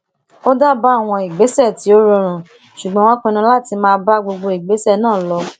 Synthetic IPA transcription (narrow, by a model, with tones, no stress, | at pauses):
o˦da˦ba˦˨w̃ɔ̃˧i˨ɡ͡be˨˦sɛ˦˨ti˨˦o˦ɾõ˧ɾ̃ũ˨ | ʃu˨ɡ͡bɔ̃˨˦wɔ̃˦kũ˧nũ˧˦la˦˨ti˧mãː˦˧ba˦ɡ͡bo˧ɡ͡bo˧i˨ɡ͡be˨˦sɛ˦˨nãː˦˨lɔ˧˦